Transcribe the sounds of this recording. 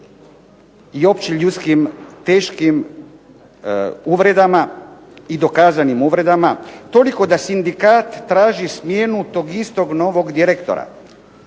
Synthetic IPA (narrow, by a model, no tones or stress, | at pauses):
io̞pt͡ɕiʎut̪skimt̪e̞ːʃkim | uʋɾe̞d̪ama | id̪o̞kaːzanimuʋɾe̞d̪amat̪o̞liko̞d̪asind̪ikaːt̪ːɾaːʒismje̞nut̪o̞ːɡist̪o̞ɡno̞ːʋo̞ɡd̪iɾekt̪o̰ɾa̰